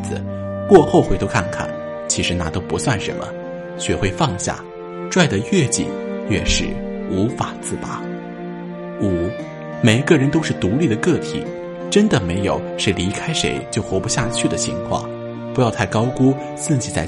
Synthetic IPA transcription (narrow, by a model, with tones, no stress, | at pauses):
ɹ̩˧kwɔ˥˧xo˥˧ʊxwe˧˥ɪt̪ʰo˥kʰa˥˩nkʰa̰˨˩n | t͡ɕʰi˧˥ʂɻ̩˧˥na̰˥˩t̪o˥ʊpu˧˥swa˥˩nʂə̰˧˥nmə̰˧ | ɕɥɛ˥˧˩xwe˥˧ɪfɑ˥˧ŋɕja̰˥˩ | ʈ͡ʂwa˥˩ɪd̪ə˩ɥɛ˥˩t͡ɕḭ˨˩njɛ˥˧ʂɻ̩˥˩ | u˧˥fa˨˩t͡sɹ̩˥˩pa˨˥˦ | u˨˩ | me˨˩ɪi˧˥ɡə˧˩ɻə˧˥nt̪o˥ʊʂɻ̩˥˩t̪u˧˥li˥˩d̪ə˩kɤ˥˩t̪ʰḭ˨˩˦ | ʈ͡ʂə˥nd̪ə˨me˧˥ɪjo˨˩˦ʊʂe˧˥ɪli˧˥kʰa˥ɪʂe˧˥ɪt͡ɕjo˥˩ʊxwɔ˧˥pu˧˥ɕja˥˧t͡ɕʰy˥˩d̪ə˩t͡ɕʰḭ˧˥ŋkʰwɑ̰˥˩ŋ | pu˧˥jɑ˥˧ʊt̪ʰa˥˩ɪkɑ˥ʊku˥ | s̩˥˩ŋt͡ɕʰi˧˥˩t͡sa˥˩ɪ